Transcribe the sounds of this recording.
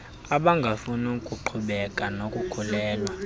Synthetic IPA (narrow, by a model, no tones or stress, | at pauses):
aɓaŋɡʱafunukʼuǃʰuɓɛkʼanokʼukʰulɛːlwa